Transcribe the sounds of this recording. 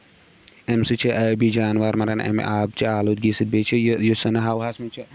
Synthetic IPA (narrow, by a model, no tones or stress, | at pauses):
emsit͡ʃʰiʔɐbid͡ʒaːnʋaɾmɐɾɐnʔḛm̰ʔaːbt͡ʃʰiaːloːt̪̚ɡiːsɨd̪̚beːt͡ʃʰijjosɐnɐɦaːwɦasmit͡ʃʰi